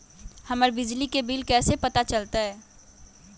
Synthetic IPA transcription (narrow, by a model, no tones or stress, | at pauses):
hɐməɾbɪd͡ʒlikebilkɛːsepɐt̪at͡ʃəlt̪aɦɛː